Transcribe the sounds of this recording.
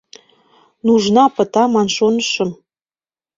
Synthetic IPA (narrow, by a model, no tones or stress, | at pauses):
nuʒnɑpə̆t̪ɑmɑnʃonəʃə̆m